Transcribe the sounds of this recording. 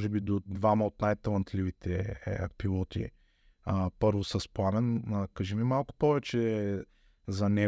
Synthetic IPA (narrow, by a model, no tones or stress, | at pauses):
ʒɛbid̪od̪vamɐot̪najt̪ɐlˠɐnt̪lʲivit̪ʰɛpilˠɔt̪ḭ | əpɤɾvosɐspˠanɛnəkaʒɛmimalˠkʊ̥pɔvɛt͡ʃɛ | zɐnɛ